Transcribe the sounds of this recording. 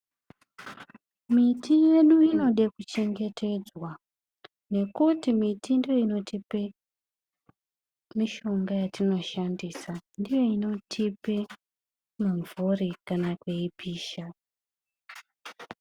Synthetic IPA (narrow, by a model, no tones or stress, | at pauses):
mitije̞ɗuino̞ɗekut͡ʃe̞ŋɡe̞tʰe̞d͡zwa | ne̞kutimitindijo̞ino̞tipe | miʃo̞ŋɡajatino̞ʃandiːsandijo̞ino̞tʰipe | muɱvurikanakweipʰiːʃa